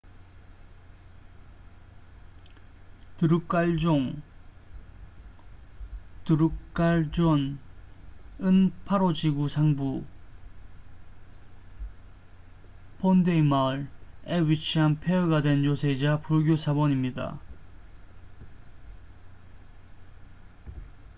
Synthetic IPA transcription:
t̪ɯɾukk͈aɭd͡ʑoŋ | tɯɾukk͈aɭd͡ʑon | ɯnpʰaɾod͡ʑiɡusʰaŋbu | pondeimaɯɭewit͡ɕʰianpʰeʌɡadwe̞njosʰed͡ʑapuɭɡjosʰabʌɲimɲida̰

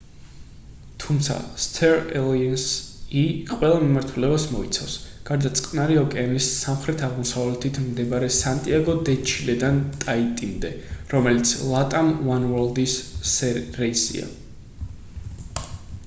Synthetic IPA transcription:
t̪ʰumt̪sʰa̰st̪ʰɛɾɛlˠiɛnsiqʼwɛlˠamimaɾt̪ʰulɛbasmɔit̪sʰafsɡ̥aɾd̪at̪sʼqʼnaɾɛɔkʼɛanisːamχɾɛt̪ʰaʁmɔsavlɛt̪ʰit̪ʰmd̪ɛbaɾɛsant̪ʼiaɡɔd̪ɛt͡ʃʰilɛd̪ant̪ʼait̪ʼimd̪ɛɾɔmɛlit̪sʰlˠat̪ʼamwanwɔɾlˠd̪isːɛɾɛisḭa̰

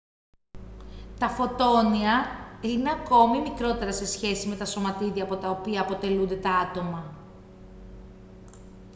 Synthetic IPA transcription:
t̪ɐfo̞t̪o̞niɐine̞ɐko̞mimikɾo̞t̪e̞ɾɐse̞sçe̞sime̞t̪ɐso̞mɐt̪iðiɐpo̞t̪ɐopiɐːpo̞t̪e̞lund̪e̞t̪ɐɐt̪o̞mɐ

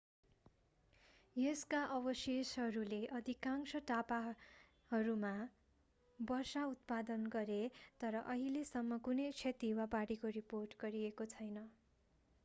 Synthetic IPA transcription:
jeskaʔʌbʌsesɦʌɾuleʔʌd̪ʱikaŋsʌʈapa | hʌɾuma | bʌrsaut̪̚pad̪ʌnɡʌɾet̪ʌɾʌʔʌɦilesʌmːʌkunʌjt͡sʰet̪iwapaɽikoriporʈɡʌɾiekot͡sʰʌjnʌ

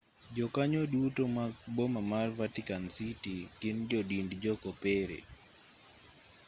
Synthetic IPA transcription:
d͡ʒɔkaɲodutomak̚bɔmamarvatikansitikɪnd͡ʒɔdindd͡ʒɔkɔpɛɾḛ

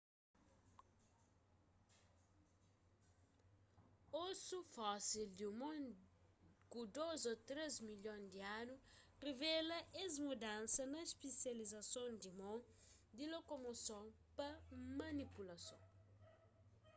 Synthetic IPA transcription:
osufɔsild̪umõ | kud̪ozot̪ɾezmiʎõnd̪ianu | revɛlɐʔezmud̪ãnsɐnɐispesjɐlizɐsõnd̪imõ | d̪ilokomosõwpɐmɐnipulɐsõ̰

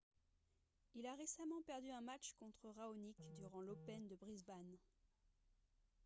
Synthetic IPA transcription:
ilaʁesamɑ̃pɛʁd̪yɛ̃mat͡ʃkɔ̃t̪χəʁaonikd̪yʁɑ̃lopɛnd̪əbʁizban

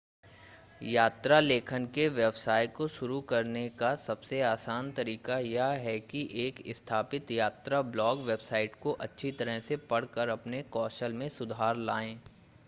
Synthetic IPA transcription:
jaːt̪ɾaleːkʰənkeʋjɛbsaːjkoʃʊɾukɐɾnekasɐbseaːsaːnt̪ɐɾiːkajaɦɛkiʔeːkɪst̪ʰaːpɪt̪jaːt̪ɾablɔːɡʋeːbsaːɪʈkoʔɐtːʃʰit̪ɐɾəɦsepɐɽ̤kəɾɐpnekɔːʃəlmẽsʊd̪ʱaːɾlaːẽː

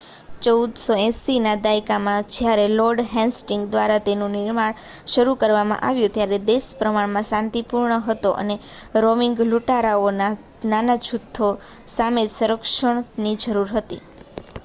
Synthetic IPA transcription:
t͡ʃəud̪soɛ̃sinad̪ajkamãd͡ʒjaɾelɔɾɖɦɛ̃nsʈɪŋɡd̪ʋaɾat̪enũnɪɾmaɳ | ʃəɾukəɾʋamã̰ʔaʋjũt̪jaɾed̪espɾəmaɳmãsãnt̪ipuɾɳəɦət̪oʔə̰ne | ɾomɪŋɡluʈaɾaona | nanat͡ʃʰʊt̪ʰːo | samed͡ʒsuɾəkʃəɳ̃nid͡ʒəɾuɾɦət̪ḭ

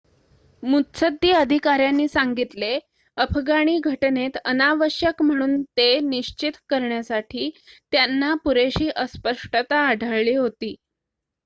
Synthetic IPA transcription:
mut̪səd̪ːiəd̪ʱikaɾjanːiːsaŋɡit̪le | əpʰɡaɽ̃iːɡʱəʈnet̪ənaʋəɕjəkm̤əɽ̃uːnt̪eniɕt͡ɕit̪kəɾɳjasaʈʰiːt̪janːapuɾeɕiːʔəspəʂʈət̪aːɖʱəɭliːɦot̪iː

